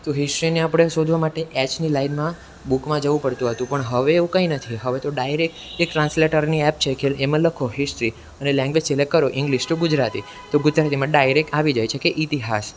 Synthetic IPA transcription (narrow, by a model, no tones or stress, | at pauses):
t̪oɦɪsʈɾineapɽ̃eʃod̪ʱʋamaʈeʔɛt͡ʃnilainmã | bukmãd͡ʒəʋũpəɽt̪ũɦət̪ũpəɳɦəʋeːʋũkəinət̪ʰiɦəʋet̪oɖajɾek̚ | ekʈɾãnsleʈəɾniɛp̚t͡ʃʰekʰelemãləkʰoɦɪsʈɾi | ənelɛ̃ŋɡʋed͡ʒt͡ʃelekəɾoʔɪ̃ŋɡliʃʈuɡʊd͡ʒɾat̪i | t̪oɡʊd͡ʒɾat̪imãɖajɾek̚ʈaʋid͡ʒajt͡ʃʰekeʔit̪iɦas